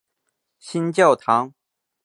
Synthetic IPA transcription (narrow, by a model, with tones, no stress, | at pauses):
ɕi˥nt͡ɕjɑ˥˨˩ʊt̪ʰɑ˧˥ŋ